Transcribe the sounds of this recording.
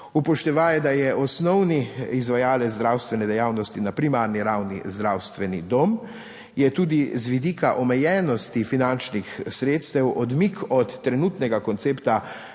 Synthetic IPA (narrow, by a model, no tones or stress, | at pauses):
upɔʃt̪ɛʋajɛd̪ajɛʔɔsnɔwniizʋajaːlɛzd̪ɾawst̪ʋɛnɛd̪ɛjaːwnɔst̪inapɾimaːɾniɾawnḭzd̪ɾawst̪ʋɛnid̪om | jɛt̪uːd̪izʋid̪iːkaʔɔmɛjɛːnɔst̪ifinant͡ʃnixsɾeːt̪st̪ɛwɔd̪mikʰɔt̪ːɾɛnut̪nɛɡakɔnt̪seːpt̪a